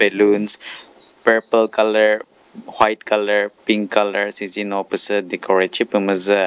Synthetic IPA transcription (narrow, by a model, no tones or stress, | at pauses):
bɛluns | pəɹpəlkaləɹ | hwajt̪kaləɹpiŋkaləɹsizinɔpəsəd̪ikʰɔɹet͡ʃipəməzə